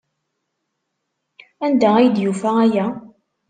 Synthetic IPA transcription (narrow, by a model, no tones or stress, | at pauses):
ænd̪ææjd̪jufææjæ